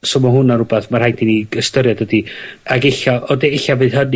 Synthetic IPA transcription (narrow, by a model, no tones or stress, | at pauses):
somaɦʊnaɾʊbɛθmarhajdiniəstəɾjadədiaɡeɬɔʔɔdeeɬavɨðɦən